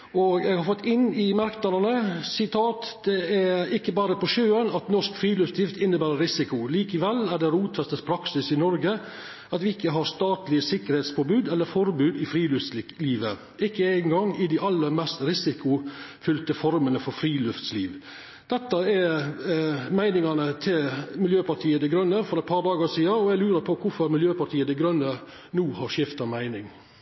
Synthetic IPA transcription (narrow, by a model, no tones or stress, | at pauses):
ɔɡɛɡhɑɾfɔt̪ːɪnːɪmæɾknɑɾənəsɪt̪ʰɑːt̪d̪̥ɛæɪkːəbɑːɾəpɔʃøːənɑt̪nɔʂkfɾiːlʉft̪j̪ɪft̪ɪnːəbæːɾəɾɪsɪkʊliːkəʋɛlːæɖɛɾuːt̪ʰʋɛst̪əspʰɾɑksɪsɪnɔɾɡə | ɑt̪ʋɪɪkːəɦɑɾst̪ɑːt̪lɪəsɪkːəɾhɛːt̪sfoːbʉːd̪ɛlːəɾfɔɾbʉːd̪ɪfɾiːlʉft̪lɪliːʋə | ɪkːəæɪnɡɑŋɪd̪ɪʔɑlːəɾmɛst̪ɾɪsɪkʊfʏlt̪əfɔɾmənəfɔɾfɾiːlʉft̪sliːʋ | d̪̥ɛt̪ːəɛ | mæɪnɪŋɑnət̪ʰɪlmɪljøːpɑʈʰiːəd̪ɛɡɾœnːəfɔɾɛt̪̚pʰɑːɾd̪ɑːɡəsiːɑɔæɪɡlʉːɾəɾpʰɔkʰʊɾfɔɾmɪljøːpɑɾʈʰiːəd̪ɛɡɾœnːə | nuːhɑɾʂɪft̪ɑmæɪnɪŋ